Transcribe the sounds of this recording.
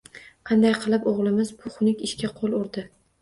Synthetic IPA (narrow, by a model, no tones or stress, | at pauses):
qʰɑnd̪ajqʰɨlˠɪpoʁlˠɪmɪzbʊχʊnɪkʲɪʃkʲaqʰolˠʊɾd̪ɪ